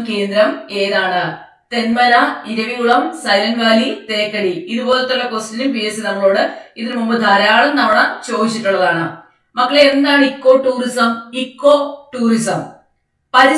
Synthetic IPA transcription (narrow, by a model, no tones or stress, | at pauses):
ke̞ːnd̪ɾɐme̞ːðaːɳɨ | t̪e̞nmɐɾɐiɾɐʋijuɭɐmsɐjlɐŋɡaːlit̪e̞ːkːɐɽiiðubo̞ːlɐt̪ːoʈːɐkostilumpijesɨnɐŋːɐɭo̞ːɽɨiðilmumbɐd̪ʱaːɾaːɭɐmnɐmːɐɭɐmt͡ɕo̞ːd̪it͡ɕːiʈːuɭːɐðaːɳɨ | mɐkːɐɭeend̪aːɳɨikːo̞ːʈːuːrisɐmikːo̞ːʈːuːrisɐm | pɐɾi